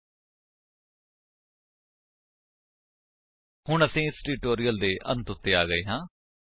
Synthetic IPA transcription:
hʊɳəsĩːɪsliːʈoːɾijəld̪eːʔə̰̃nt̪ʊt̪ːeːa̰ːɡəeːɦãː

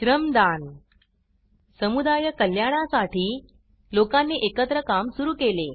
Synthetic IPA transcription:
ɕɾəmd̪an | səmud̪ajəkəljaɽ̃asaʈiː | lokanːeːʔekət̪ɾəkamsuɾuːkele

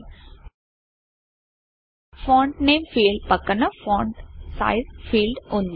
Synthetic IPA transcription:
fɔ̃ːɳʈneːmfiːlɖ̚pɐkːɐnɐfɔ̃ːɳʈsa̰ɪzfiːlɖõnd̪

